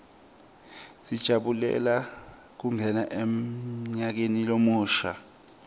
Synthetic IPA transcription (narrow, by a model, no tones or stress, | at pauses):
sid̥ʒ̥ʱaɓulɛ̰la | k̬umbʱɛnaʔemɲak̬enilomuːʃa̰